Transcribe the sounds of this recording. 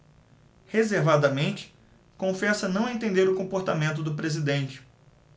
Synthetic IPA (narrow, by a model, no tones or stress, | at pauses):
hezeɾvad̪ɐmẽnt͡ʃɪ̥ | kõfɛsɐnɐ̃w̃ẽnt̪ẽnd̪eɾʊkõpoɾt̪amẽnt̪̬ʊd̪ʊpɾezid̪ẽnt͡ʃɪ̥